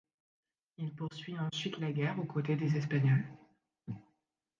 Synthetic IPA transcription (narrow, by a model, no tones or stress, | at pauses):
ilpuʁsɥiɑ̃sɥit̪laɡʲɛʁokot̪ed̪ezɛspaɲɔl